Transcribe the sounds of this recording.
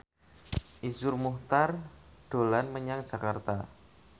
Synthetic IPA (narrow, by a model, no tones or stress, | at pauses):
ʔisʊrmuht̪ard̥olanməɲaŋd̥d͡ʒa̤kart̪a